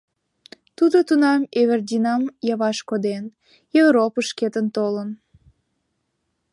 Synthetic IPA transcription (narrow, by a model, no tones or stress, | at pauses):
t̪ud̪ot̪unɑmeβerd̪ʲinɑmjɑβɑʃkod̪en | jevɾopəʃket̪ənt̪olən